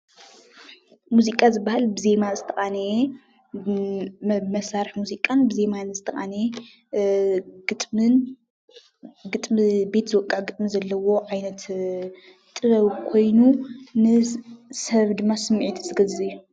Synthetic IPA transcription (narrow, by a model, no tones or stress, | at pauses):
muzikʼazɨbːahalbɨze̞mazɨt̪ʰɐχʼan | mɐsaɾɨħmuzikʼanbɨze̞manzɨt̪ʰɐχʼane | ɡɨt̪ʼmɨn | ɡɨt̪ʼmbe̞t̪zɨwɔkʼːaʕɡɨt̪ʼmizɐlːɐwo̞ʕajnɐt̪ | t̪ʼɨβɐβkʰo̞jnunɨsɐβd̪ɨmːasɨmːʕit̪ʰzɨɡɐzɨjːu